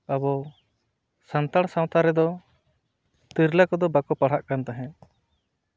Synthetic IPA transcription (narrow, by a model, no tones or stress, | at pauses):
abɔ | sant̪aɽ̃saw̃t̪aɾɛd̪ɔ | t̪iɾlakɔd̪ɔbakɔpaɽ̤aʔkant̪aɦɛ̃